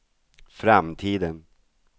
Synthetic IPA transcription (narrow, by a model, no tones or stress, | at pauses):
fɾamt̪ʰiːd̪ən